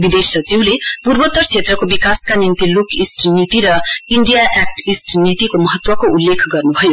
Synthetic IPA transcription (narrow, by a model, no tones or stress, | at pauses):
bid̪esʌt͡siwlepurbʌt̪ːʌrt͡sʰet̪rʌkobikaskanimt̪ilukisʈnit̪iɾʌiɳɖijaʔek̚ʈisʈnit̪ikomʌɦʌt̪wʌkoulːekʰɡʌrnubʱʌjo